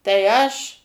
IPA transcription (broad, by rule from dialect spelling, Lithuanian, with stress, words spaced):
tɐɪ ˈɐʃ